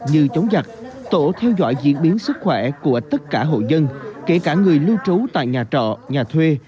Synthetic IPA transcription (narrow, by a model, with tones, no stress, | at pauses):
ɲɨ˧t͡ɕə˨˦wŋ͡mza˨˩k̚ | t̪o̰˧˩t̪ʰɛ˧wzɔ̰ː˧˨jzḭ˧˥ənɓi˨˦ənsɨ˦˥k̚xwɛ˧˩ku˧˩ət̪ə˦˥t̚kaː˧˩ɦo̰˧˨zə˧nke˧˩kaː˧˩ŋɨ˨˩əjlɨ˧wt͡ɕu˨˦t̪a̰ː˧˨jɲaː˨˩t͡ɕɔ̰˧˨ɲaː˨˩t̪ʰwe˧